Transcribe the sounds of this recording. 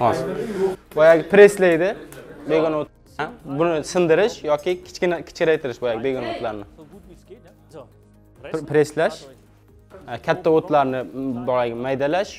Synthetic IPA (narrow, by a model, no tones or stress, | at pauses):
hɒ | bojaɡʲɪpɾeslajd̪ɪbeɡʲɔnot̪ | bʊnɪsɨnd̪ɪɾɪʃjɒkʲɪkʲʰɪ̥t͡ʃkʲɪnakʲʰɪ̥t͡ʃkʲɾajt̪ʰɪɾɪʃbojaɡʲɪbeɡʲɔnot̪laɾnɪ | pɾeslaʃ | kʲʰat̪ʰːaot̪laɾnɪbɒaɡʲɪmajd̪alaʃ